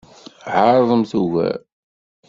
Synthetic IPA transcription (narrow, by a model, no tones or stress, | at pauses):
ʕəɾˤðˤəmθuɣæ̰